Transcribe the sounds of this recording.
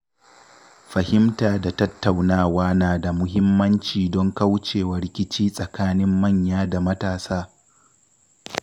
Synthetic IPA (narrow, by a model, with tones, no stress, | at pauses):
ɸɐ˨hɪ˦mtaː˨da˨tɐ˦tːa˨wnaː˦˨waː˦naː˨da˨mʊ˦ɦɪ˦mːɐ˦nt͡ʃiː˨dɔ˦ŋkɐ˦wt͡ʃeː˨wɐ˨ɾɪ˦kʲɪ˦t͡ʃiː˦sʼɐ˨kaː˦nɪ˦mːɐ˦˨ɲjaː˦da˨mɐ˦taː˨saː˦